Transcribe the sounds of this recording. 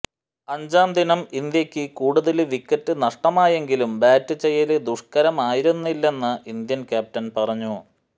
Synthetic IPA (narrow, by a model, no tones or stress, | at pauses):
ɐɲd͡ʑaːmd̪inɐmind̪jɐkʲːɨkuːɽuðɐlʋikːɐtːɨnɐʂʈɐmaːje̞ŋɡilumbaːtːɨt͡ɕːejːɐled̪uʂkɐɾɐmaːjiɾunːilːe̞nːɐʔind̪jɐnkʲaːp̚tɐnpɐrɐɲːu